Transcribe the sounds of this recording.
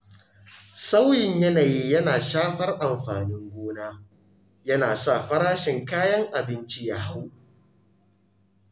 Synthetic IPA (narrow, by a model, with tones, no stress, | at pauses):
sa˦wjɪ˨ɲjɐ˦naː˨ji˦jɐ˦naː˨ʃaː˦ɸɐ˦rʔa˨mɸaː˨nɪ˦ŋɡʷoː˦naː˦ | jɐ˦naː˨sa˦˨ɸɐ˦ɾaː˦ʃɪ˨ŋkaː˦jɐ˦ŋʔa˨bɪ˦nt͡ʃi˦ja˦ɦa˦w